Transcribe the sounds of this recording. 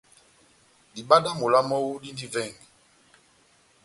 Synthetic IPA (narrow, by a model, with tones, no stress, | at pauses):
di˨ɓa˦da˦mo˨la˦mɔ˦wu˦di˦ndi˦vɛ˦˨ŋ˨